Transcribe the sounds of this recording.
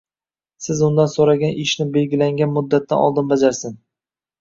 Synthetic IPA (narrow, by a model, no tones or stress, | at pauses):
sɪzʊnd̪ansoɾaɡʲanʔɪʃnɪbe̞lɡʲɪlaŋɡʲanmʊd̪ːat̪ʰːa̰nɒ̰lˠd̪ɪnbad͡ʒaɾsɪn